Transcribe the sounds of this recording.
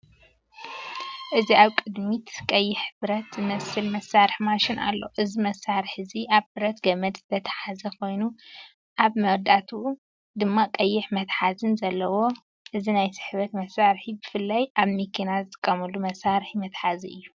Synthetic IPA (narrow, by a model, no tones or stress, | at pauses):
ʔɨziaβkʼɨd̪mit̪kʼɐjːɪħbɨɾɐt̪zɨmɐsɨlmɐsːaɾɨħmaʃɪnʔa̰lːo̰ʔɨzimɐsːaɾɨħɨziʔaβbɨɾɐt̪ɡɐmɐd̪z̥ɨt̪ʰɐt̪ʰɐ̥ħazɐkʰo̞jnu | ʔaβmɐwd̪at̪ʰu | d̪ɨmːakʼɐjːɪħmɐt̪ħazɨnzɐlːɐwo̞ | ʔɨzinajsɨ̥ħβɐt̪mɐsːaɾħibɨfɨlːajʔaβmikʰinazɨt̪ʼɨ̥kʼːɐmɐlumɐsːaɾħimɐt̪ħaziɨjːu